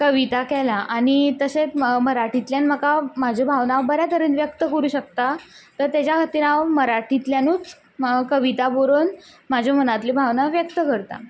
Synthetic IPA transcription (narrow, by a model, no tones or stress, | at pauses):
kəʋit̪akɛlaʔaɽ̃it̪əset͡sməɾaʈʰit̪ljanm̤əkamad͡ʑʱobʱaʋnaʋbəɾjat̪əɾəːnʋjəkt̪əkəɾuːɕək̚t̪at̪əɾt̪jat͡ɕjakʰət̪iːɾãʋməɾaʈʰit̪ljanuːt͡s | kəʋit̪aboɾoːn | mad͡ʑʱomənat̪libʱaʋnaʋjəkt̪əkəɾt̪a̰